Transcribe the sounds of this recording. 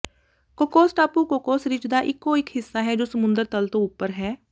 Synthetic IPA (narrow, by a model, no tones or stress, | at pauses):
koːkoːsʈaːpũːkoːkoːsɾɪt͡ʃd̪aːʔɪkːoːɪkɦɪsːaːɦɛːd͡ʒoːsəmʊ̃nd̪əɾt̪əlt̪õːʊpːəɾɦɛː